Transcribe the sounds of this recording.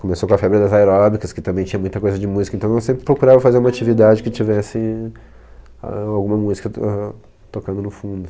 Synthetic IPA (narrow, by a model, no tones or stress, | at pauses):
kõmesokõɐfɛbɾɪd̪ɐzaeɾɔbikɐskɪt̪ɐ̃mbẽj̃t͡ʃĩɲɐmũj̃t̪ɐkojzɐd͡ʒɪmuzikɐẽnt̪ɐ̃w̃ewsẽmpɾɪ̥pɾokuɾavɐfazeɾumɐat͡ʃivid̪ad͡ʒɪkɪt͡ʃivɛsɪ | a̰awɡũmɐmuzikɐɛ | t̪okɐ̃nd̪ʊnʊfũnd̪ʊ